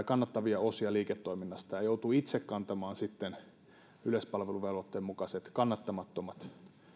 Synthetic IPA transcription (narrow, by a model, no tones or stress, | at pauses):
kɑnːɑt̪ːɑʋiɑosiɑliːket̪ːoiminːɑst̪ɑjɑjout̪uit̪sekkɑnt̪ɑmɑːnsit̪ːen | yløspɑlʋeluʋelʋot̪ːemmukɑset̪kɑnːɑt̪ːɑmɑt̪ːomɑt̪